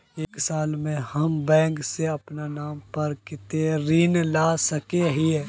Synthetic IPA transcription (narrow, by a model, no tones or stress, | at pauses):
eːksaːlmẽhɐmbɛ̃ːŋkseɐpnanaːmpɐɾkɪt̪eɾiːnlaːsɐkeɦiɛ